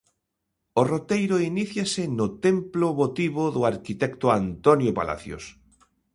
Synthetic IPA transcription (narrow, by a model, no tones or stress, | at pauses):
orot̪ejɾoiniθjasɪnʊt̪emploβot̪iβoðʊaɾkit̪ɛkt̪oant̪onjopa̰la̰θjo̰s